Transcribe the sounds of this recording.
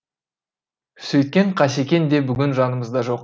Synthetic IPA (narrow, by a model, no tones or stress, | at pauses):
sɵjt̪̚kʲe̞ɴqʰɑse̞kʲe̞nd̪e̞bʏɡʲɪnʒɑnəməzd̪ɑʒo̞q